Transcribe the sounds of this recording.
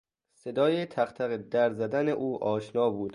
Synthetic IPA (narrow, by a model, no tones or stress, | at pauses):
se̞d̪ɒːjet̪ʰæχt̪ʰæɣed̪æɾzæd̪æneʔuːʔɒːʃnɒːbuːd̪̥